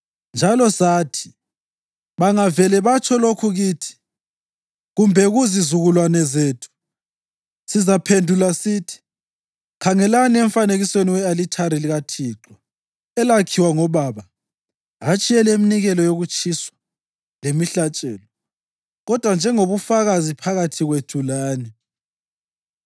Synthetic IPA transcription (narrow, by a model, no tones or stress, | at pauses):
nd͡ʒʱalɔsaːtʰi̥ | βaŋavɛlɛβat͡ʃʰʼɔlokʰuɣiːtʰi̥ | ɣumbʱɛɣuzizuɣulwanɛzeːtʰu̥ | sizapʰendʱulasitʰi̥ | kʰaŋɛlaniɛɱfaneɣisweniwɛalitʰaɾiliɣatʰiːǁɔ | ɛlakʰiwaŋɔβaβa | at͡ʃʼiɛlɛiminiɣɛlɔjoɣut͡ʃʰʼiswḁ | lemiɬat͡ʃʼɛːlɔ | ɣɔd̥ʱwand͡ʒʱɛŋoβufaɣazipʰaɣatʰiɣwetʰulaːnɛ